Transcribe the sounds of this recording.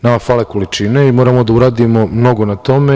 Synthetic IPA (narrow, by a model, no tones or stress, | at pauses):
namafalekolit͡ʃineimo̞ːɾamo̞d̪auɾaːd̪imo̞mno̞ɡo̞nat̪o̞me